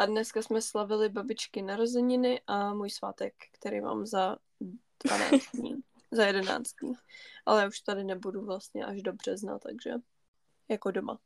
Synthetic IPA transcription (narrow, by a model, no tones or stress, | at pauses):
ʔadnɛskasmɛslavɪlɪbabɪt͡ʃkɪnaɾozɛɲɪnɪʔamuːjsva̰ːt̪ɛkːt̪ɛɾḛjma̰ːmza | d̥vana̰ːt͡st̪ɲḭː | zajɛdɛna̰ːt͡st̪̚ɲḭːʔalɛjaːuʃt̪adɪnɛbuduvlast̪ɲɛ̰ʔaʒdobr̝̥ɛzna̰t̪aɡʒ̥ɛ̰ | jakodoma̰